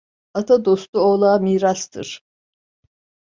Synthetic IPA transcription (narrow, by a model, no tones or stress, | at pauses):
at̪ʰad̪o̞st̪uoːlˠaːmiːɾast̪ʰɯ̰ɾ̥